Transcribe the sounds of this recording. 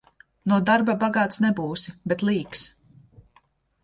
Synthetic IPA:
nuɔd̪aɾbabaɡaːt̪snɛbuːsibɛt̪lˠiːks

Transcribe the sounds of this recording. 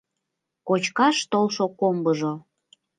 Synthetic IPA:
kot͡ɕkɑʃt̪olˠʃokombəʒo

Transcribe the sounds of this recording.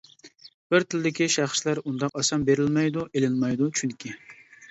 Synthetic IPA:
b̥ɪɾt̪ʰɪlɪd̪ɪkʲiʃæχʃlæɾund̪ɑqɑsɑmbeɾɪlmɛjd̪uʔelɪnmɑjd̪ut͡ʃʰyŋkʲʰi

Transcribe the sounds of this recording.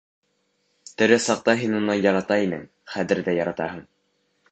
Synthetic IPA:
t̪ɵ̆ɾɘsɑq̚t̪ɑɦinunɑnjɑɾɑt̪ɑinɘ̰ŋ | χæðɘ̆ɾðæjɑɾɑt̪ɑɦɤɴ

